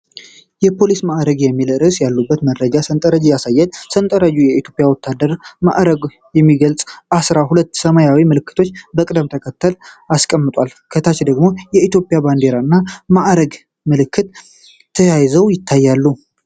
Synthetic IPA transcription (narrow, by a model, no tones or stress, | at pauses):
jɛpʰo̞lismaʔɾəɡjɛmːilɨɾɨsjalːubːət̪məɾɾəd͡ʒasənt̪ʼəɾəd͡ʒijasajːɛd̪sənt̪ʼəɾəd͡ʒujɛit̪ʰjo̞pʼjawɔt̪ʰːad̪əɾma̰ʔɾəɡ | jɛmːiɡəlt͡sʼʔasɾaɦulət̪ːsəmajawimɨlɨkːɨt̪ʰo̞t͡ʃːbəkʼɨd̪əmt̪ʰəkʰət̪ːəlaskʼəmːɨt̪ʼalkʰət̪ʰat͡ʃd̪əɡmo̞jɛit̪jo̞pʼjaband̪e̞ɾaɨnːamaʔɾəɡ | mɨlɨkʰːɨt̪ʰː | əjajzəwjɪt̪ʰːajːalːu